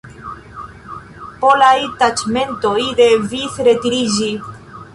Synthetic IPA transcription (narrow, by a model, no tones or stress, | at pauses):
po̞lajtat͡ʃme̞ntojde̞visɾe̞tiɾid͡ʒi